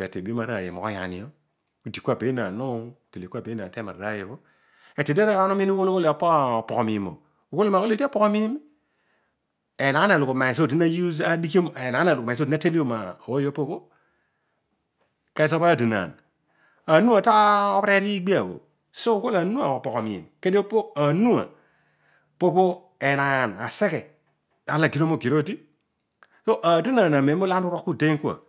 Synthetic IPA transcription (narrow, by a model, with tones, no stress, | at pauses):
e˨te˨bi˦o˦ma˨ɾa˦˨jḛ˨mo̰˨o˦ja̰˨nḭ˨o˦ | u˨di˨ku˦a˦˨be˨˦na˨no˦˨te˨le˨kʷa˨pe˨˦a˨te˦ma̰˨ɾɾa˦je˨βo˦ | e˨te˨de˦ɾa˦a˦no˦mi˦n˦ko˦lu˦ko˦le˨a˨po˦˨po˨kmi˨mo̰˨ | u˨ko˦li˦ma˨˦o˦le˦˨tpo˦ko˦mi˦mi˦ | e˨na˨a˦na˨lu˨ko˨ma˨i˨s̬o˦˨ti˦na˦ju˦za˦di˦ko˦m˨e˨na˨˦na˨lu˨o˦˨i˦na˦te˦li˦o˦ma˨wo˦o˦po˦ko˦ | ke˦so˦pa˦˨di˨na̰˨n | a˨nu˦a˨ta˦o˦pe˦ɾi˦ɡ͡bi˦a˨bo̰˨ | so˦ko˦la˨nu˦a˨o˨po˨ko˨m˨ḭ˨nke˦di˦o˦po˦a˨nu˦a̰˨ | po˦po˦ | e˨na˨na˨se˦ke˨ | a˨˦la˨ki˦ɾo˦mo˦˨ki˨ɾo˦˨ti˦ | so˦ʔa˨di˦na˨na˨me˨˦mo˦la˦u˦ɾo˦kːu˦˨te˦ŋku˦a̰˨